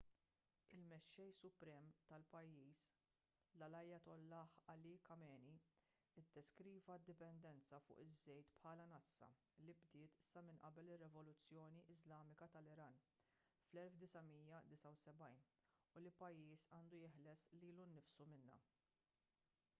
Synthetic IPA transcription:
ɪlmɛʃːɛjsʊpɾɛːmt̪ɐlpɐjːiːs | lɐlɐjːɐt̪ɔlːɐħɐlikɐmɛːni | ɪd̪ːɛskɾiːvɐd̪ːɪpɛnd̪ɛnt͡sɐfʊ̰ːʔɪzːɛjt̪pħɐːlɐnɐsːɐ̰ | lɪbd̪ɪːt̪sɐmɪnʔɐ̰bɛlɪrːɛvɔlʊt͡sːjɔːniʔɪzlɐːmɪkɐt̪ɐlɪɾɐːn | flɛlfd̪ɪsɐmiːjɐd̪ɪsɐwsɛbɐjn | ʊlɪpːɐjːiːsɐːnd̪ujɪħlɛsliːlunːɪfsumɪnːɐ̰

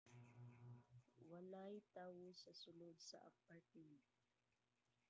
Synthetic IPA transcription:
walajt̪aːwosasʊlod̪̚sa̰ʔa̰pːat̪i

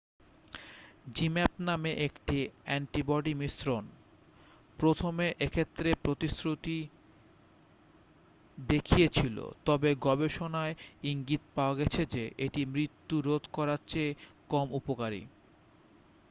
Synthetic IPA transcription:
d͡ʑimɛpnameʔekʈiɛɳʈibɔɖimisɾon | pɾot̪ʰomeʔekʰet̪ːɾepɾot̪isɾut̪i | d̪ekʰijet͡ɕʰilo̰t̪ɔbeɡɔbeʃonaeiŋɡit̪paoaɡɛt͡ɕʰed͡ʑeʔeʈimɾit̪ːuɾod̪ʱkɔɾatːɕʰekɔmupokaɾḭ

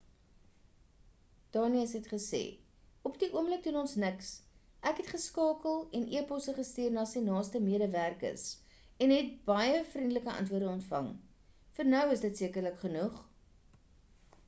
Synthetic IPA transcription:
d̥ɑːniəsɦɛtχəsḛː | ɔpdiʔuəmlək̚dunɔnsnəks | ʔækɦɛtχəskɑːkəlˠɛnʔiəpɔsəχəstiərnɑːsinɑːlˠstəmiəɾəværkə̰rs | ɛnɦɛt̚bɐjəfrindələkəʔɐ̰ntvuərdəɔntfɐ̰ŋ | fərnœwəsdətsiəkərləkχənuχ

